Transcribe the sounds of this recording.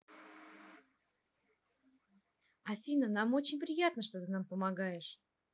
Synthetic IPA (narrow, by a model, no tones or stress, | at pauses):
ɐfʲinənamo̞t͡ɕɪnʲpɾʲɪjat̪nəʂt̪ot̪ɨnampəmɐɡajɪʂ